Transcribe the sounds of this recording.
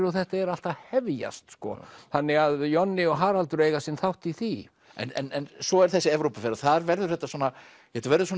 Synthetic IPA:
ɾɔθɛht̪aɛɾal̥t̪ahɛvja̰st̪skɔ̰θanːɪɣaðjɔnːɪɔɣɦaːɾalt̪ʏɾeːjɣasɪnθawht̪iθi | ɛ̰nɛnɛnsɔɛɾ̥θɛsːɪɛvɾopafɛɾaθaɾvɛɾðʏɾ̥θɛht̪asɔna | jɛhɛt̪avɛɾðʏsɔːn

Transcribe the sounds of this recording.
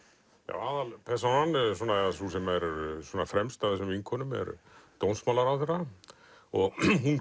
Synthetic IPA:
ja̰waːðalpʰɛsanansɔːnaɛasusɛmɛɾsɔːnafɾɛmst̪aðsɛmviŋkʰɔnʏmɛ̰ɾt̪ownsmawlaɾaθɛɾa | ɔɣɦun

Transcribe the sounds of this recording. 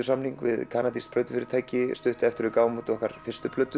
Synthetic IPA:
ʏsamniŋkvɪ̰ðkʰaːnat̪ist̪̚p̪ʰœːjt̪ʏ̥fɪɾɪt̪ʰaːjcɪst̪ʏht̪ʏɛft̪ɪɾʏkaːwmut̪ɔhkaɾ̥fɪrst̪ʏpʰlœɥt̪ːʏ

